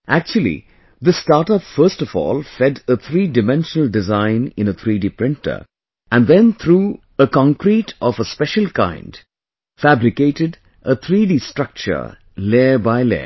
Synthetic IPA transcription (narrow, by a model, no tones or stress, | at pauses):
ʔæk̚t͡ʃuəl̩ˠḭ | ðəstaːʈʌpfəːstɔfɔ̰ːlˠfɛdət̪ʰɾiːdɨmɛ̃nʃənəldɪzãɪ̃nɪ̰̃nət̪ʰɾiɖiːpɾɪ̃ntə̰˞ | æ̃nd̪ɛ̃nt̪ʰɾuː | əkɑ̃ŋkɾiʈʰɔfəspɛʃəlkã̰ɪ̃nd | fæbɾɪkeːʈɪɖ | ət̪ʰɾiːɖistɾ̥ʌk̚t͡ʃə̰˞ | leːbaɪlḛː